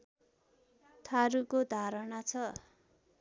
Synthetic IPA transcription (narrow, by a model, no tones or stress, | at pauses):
t̪ʰaɾukod̪ʱaɾʌnat͡sʰʌ